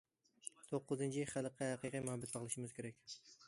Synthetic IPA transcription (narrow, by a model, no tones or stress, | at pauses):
t̪ʰoqːɨzɨnt͡ʃʰiχælˠəqʰːɑhæqijqijmʊhɑbæt̪̚bɑʁlˠɨʃɪmɪz̥kʲʰeɾɛkʲ